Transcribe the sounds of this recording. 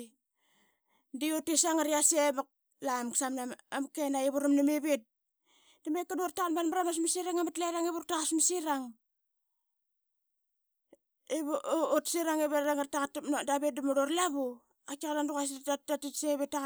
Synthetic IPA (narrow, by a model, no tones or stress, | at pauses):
diotisaŋaɾiasemak̚ | lamksamnaamkenaiβuɾamnameβet̚ | damekːadortaɣanbanmaɾamas̬misiɾaŋamatlaɾaŋeβuɾtaasmisiɾaŋ | eβotsiɾaŋeβeɾaŋartakatanodaβet̚damuɾorlaβu | akakadandukas̬atatitseβeta